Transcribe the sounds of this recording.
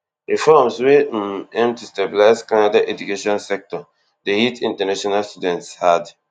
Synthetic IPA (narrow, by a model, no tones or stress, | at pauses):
ifɔmsweɛ̃mtustebilaɪzkanadaʔɛd͡ʒukeʃɔ̃nsɛk̚tɔ | dehitĩntɛnaʃɔnalstudɛ̃ntshad